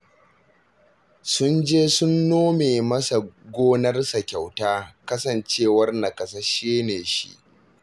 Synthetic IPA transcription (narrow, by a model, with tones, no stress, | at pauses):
sʊ˦nd͡ʒeː˦sʊ˦nːoː˦meː˨mɐ˦sa˨ɡʷoː˦nɐ˦rsa˨kʲa˨wtaː˦kɐ˦sɐ˨nt͡ʃeː˦˨wɐ˦rna˨kʼɐ˨sa˦ʃiː˦neː˨ʃḭ˦ʔ